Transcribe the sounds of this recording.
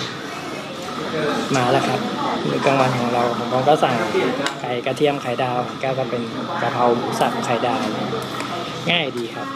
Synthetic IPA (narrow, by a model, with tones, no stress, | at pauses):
maː˧˦laː˧˩kʰa˦˥p̚mɯː˧˩ka˧ŋwa˧˥nkʰɔː˩˦ŋɾa˧wpʰo˨˦mkʰɔː˧˥˦ka˧˥˩sa˨˩ŋkʰa˨˩jka˧t̪ʰi˧˥˨əmkʰa˨˩jdaː˧wkɛː˧˩wkɔ˧˩pe˧n | ka˧pʰa˧wmuː˨˦sa˧˩m˦kʰa˨˩jdaː˧wna˧˩ | ŋaː˥˩jdiː˨˧kʰa˦˥p̚